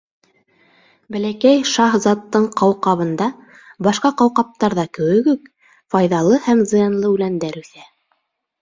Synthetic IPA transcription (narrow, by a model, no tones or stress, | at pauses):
bælækæjʃɑhzɑt̪ːɤɴqɑwqɑβɤ̆nd̪ɑ | bɑʃqɑqɑwqɑp̚t̪ɑɾðɑkɵ̆wɘ̆kʉk | fɑjðɑlˠɤhæmzɤ̆jɑnlˠɤʉlænd̪æɾʉθæ